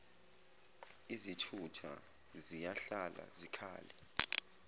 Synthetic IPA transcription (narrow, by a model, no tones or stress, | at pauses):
izitʰutʰa̰ | zijaɬala̰zikʰa̰ːlɛ